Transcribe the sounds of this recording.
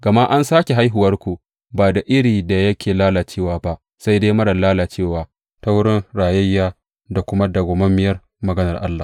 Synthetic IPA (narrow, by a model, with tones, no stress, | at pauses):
ɡ̥ɐ˨ma˦ʔa˦nsaː˦kʲe˨ɦa˦jɦʊ˨wɐ˦rkʷu˨ | baː˨da˨ʔɪ˦ɽiː˨da˨jɐ˦kʲʰeː˨laː˦laː˨t͡ʃeː˦˨waː˨ba˦ʔ | sa˦jdeː˦jmɐ˦ɽɐ˨laː˦laː˨t͡ʃeː˦˨waː˨ | ta˦wʊ˦ɽɪ˦nɽaː˨jɐ˦jːaː˦ | da˨kʷʊ˦ma˦da˨ɡʷoː˨mɐ˦mːɪ˨jɐ˦r | mɐ˨ɡɐ˦nɐ˨rʔa̰˦lːaː˨